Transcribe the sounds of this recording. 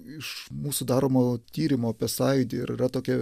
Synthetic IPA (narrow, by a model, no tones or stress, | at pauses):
ɪʃmuːsʊd̪ɑːɾoːmoːt̪ʲiːɾʲɪmoːpʲɛsɐɪd̪ʲɪɪɾɪrɐt̪oːkʲɛ